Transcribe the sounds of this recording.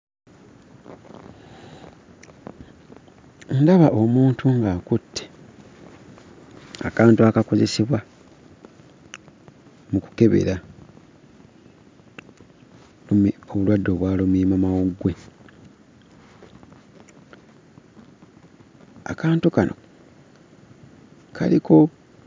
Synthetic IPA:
ndaβaʔomuːntʰuŋɡakutʰːe | a̰kaːntuakako̞ze̞seβwa | muku̥ke̞βe̞̰ɾa | oβulwadːo̞ːβwaːlomuimamawoɡːwe̞ | a̰kaːntukanʔo̞̰ | kʰa̰likʰo̞

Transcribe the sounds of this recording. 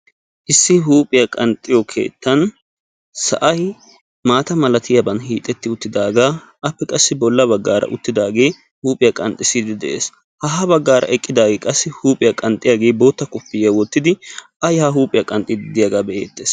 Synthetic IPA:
ʔɪsːɪɦuːpʼɪjɐkʼɐnt̪ʼːɪjɔkʰe̞̰ːt̪ːɐn | sɐ̰ʔɐj | maːt̪ɐmɐlɐt̪ɪjɐbɐnhiːt̪ʼːɛt̪ːɪʊt̪ːɪd̪aːɡaː | ʔɐpːɛkʼɐsːɪbɔlːɐbɐɡːaːɾɐ̰ʔʊt̪ːɪd̪aːɡe̞ː | huːpʼɪjɐkʼɐnt̪ʼːɪsɪd̪ɪd̪ɛʔḛːs | hɐɦɐbɐɡːaːɾʔɐ̰ʔɛkʼːɪd̪aːɡekʼɐsːɪhuːpʼɪjɐkʼɐnt̪ʼɪjaɡe̞ːbo̞ːt̪ːɐkʼʊpːɪjɐwɔt̪ːɪd̪ɪʔɐjhaɦuːpʼɪjɐkʼɐnt̪ʼːɪd̪ɪd̪ɪjɐɡaːbɛʔḛːt̪ːeːs

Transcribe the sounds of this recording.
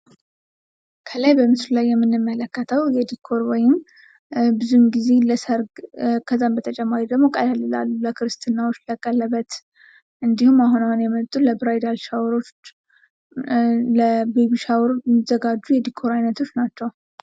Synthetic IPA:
kʰəlajbəmɨsɾlajːɛmːɨnːɨmːələkːət̪ʰəwjɛd̪ikʰːo̞ɾwɔjɪm | bɨzumɡize̞ləsəɾɡkʰəzːambət̪ʰət͡ʃʼɛmːaɾid̪əɡmo̞kʼalalːɨla̰lːuləkʰɨɾɨst̪ʰɨnːawot͡ʃːləkʼəlːəβət̪ | ʔɨnd̪ihumːaɦunawunjɛmət̪ʼuləbɾajd̪alʃawɾo̞t͡ʃ | ləbeβiʃawɾzəɡad͡ʒːujɛd̪ikʰo̞ɾajnət̪ʰo̞t͡ʃːnat͡ʃːɛw

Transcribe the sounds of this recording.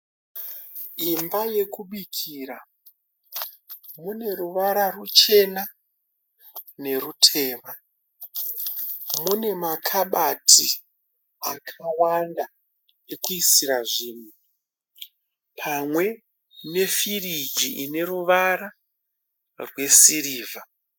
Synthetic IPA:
imbaje̞kuɓikʰiːɾa | mune̞ɾuʋaɾarut͡ʃe̞na | ne̞ɾutʰe̞ːma | mune̞makʰaɓatʰi | akʰawanda | nekuisiɾaʐiːn̤u | pʰamwe̞ | ne̞firid͡ʒiʔine̞ruʋaɾa | rwe̞siriːva

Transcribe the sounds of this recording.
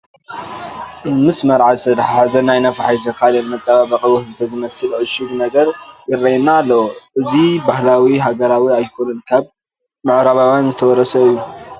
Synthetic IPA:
mɨsmɐɾʕazɨt̪ʰɐd̪ħazɐnajnɐfaħajzɐkʰalenmɐt͡sʼːaβabɐxʼɐwuhɨlt̪ʰɐzɨmɐsɨlʔɨʃɨd̪unɐɡɐɾjɪrːɐjnaːlːɐwoʔɨzibahlawiɦaɡɐɾawiajkʰonɨnkʰaβ | mɨʕɾaβawanzɨt̪ʰɐwɔɾɐsɐɨjːu

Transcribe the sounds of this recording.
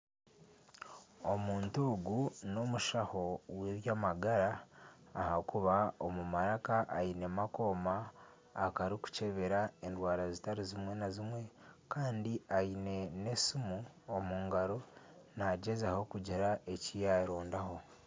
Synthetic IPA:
o̞muːntoːɡuno̞muʃaho̞weβjaːmaɡaɾaː | hakuβaomumaɾakaʔːinemako̞ːmaː | kaɾiku̥ce̞βeɾae̞ndwaːɾazitaɾizimwe̞nazimwe̞kaːndiaine̞ne̞sumu | omuːŋɡaɾo̞naɟezaho̞kuɟeɾae̞cijaɾoːndaho̞

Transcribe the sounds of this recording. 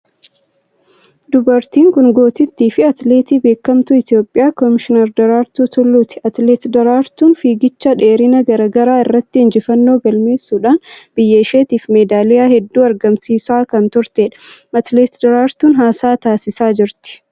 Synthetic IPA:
d̪ʊbɐɾt̪iːŋkʊŋɡo̞ːt̪ɪt̪ːiːfɪɐt̪le̞ːt̪iːbe̞ːkːɐmt̪ʊɪt̪ɪjo̞ːpʼːɪjaːkɔmɪʃɪnɛɾd̪ɐɾaːɾt̪uːt̪ʰʊlːuːt̪ɪ̥ʔɐt̪leːt̪d̪ɐɾaːɾt̪uːnfiːɡɪt͡ʃːɐᶑe̞ːɾɪnɐɡɐɾɐɡɐɾaːɪrːɐt̪ːɪɪnd͡ʒɪfɐnːo̞ːɡɐlme̞ːsːuːᶑaːnb̥ɪjːɐɪʃeːt̪iːfmeːd̪aːlɪjaːhɛd̪ːuːɐɾɡɐmsiːsaːkɐnt̪ʊɾt̪eːᶑɐ̥ɐt̪le̞ːt̪d̪ɐɾaːɾt̪uːnɦaːsaːt̪aːsɪsaːd͡ʒɪɾt̪ɪ̥

